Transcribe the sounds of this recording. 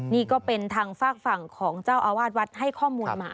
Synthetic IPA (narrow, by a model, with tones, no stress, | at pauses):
niː˥˩kɔː˥˩pe˧nt̪ʰaː˧ŋfaː˥˩k̚fa˨˩ŋkʰɔː˩˦ŋt͡ɕaː˥˩wʔaː˧waː˥˩t̪̚wa˦˥t̪̚ha˥˩jkʰɔː˥˩muː˧nmaː˧˩